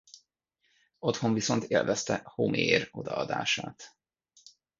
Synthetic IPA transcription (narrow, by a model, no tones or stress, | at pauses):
o̞t̪ho̞ɱviso̞nt̪eːlvɛst̪ɛhomʔieːɾo̞d̪ɒɒd̪aːʃaːt̪